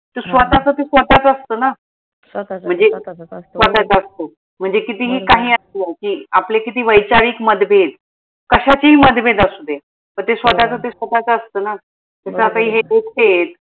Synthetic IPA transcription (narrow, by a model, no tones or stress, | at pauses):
t̪usʋət̪at͡sət̪esʋət̪at͡səst̪əːna | m̤əɳd͡zesʋət̪at͡səst̪ə | m̤əɳd͡zekit̪iːɦiːkaɦiːəst̪iakiːaplekit̪iːʋəjt͡ɕaʋiːkməd̪bʱet̪ | kəɕat͡ɕiɦiːməd̪bʱet̪əsud̪ʱe | t̪əɾt̪esʋət̪at͡sət̪esʋət̪at͡səəst̪əːna | t̪əsəat̪aɦiːɦeek̚et̪